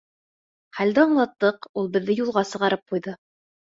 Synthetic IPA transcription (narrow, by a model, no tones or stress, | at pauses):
χæld̪ɘɑɴlˠɑt̪ːɤqulˠbɘ̆ðːɘjulˠʁɑsɤ̆ʁɑɾɤp̚qujðɤ